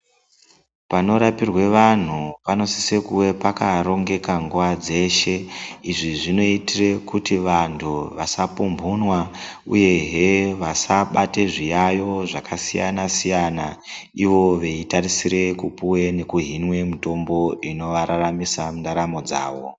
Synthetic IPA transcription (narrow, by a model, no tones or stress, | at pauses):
pano̞ɾapirwe̞ʋan̤upano̞sisekuwe̞pakaɾo̞ŋɡe̞kaŋɡuʋad͡ze̞ʃe̞iʐiʐino̞itire̞kutiʋantʰuʋasapumbʱunwaṵje̞ɦeʋasaɓate̞ʐijajo̞ʐakʰasija̰nasijanaiʋo̞ʋeitarisiɾe̞kupuwe̞ne̞kuɦinwe̞muto̞mbo̞ino̞ʋaɾaramisamundaɾamo̞d͡za̰ːʋo̞